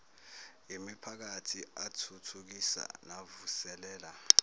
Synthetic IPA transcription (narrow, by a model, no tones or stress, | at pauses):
imipʰak̬atʰiatʰutʰuk̬isa̰navusɛlɛːla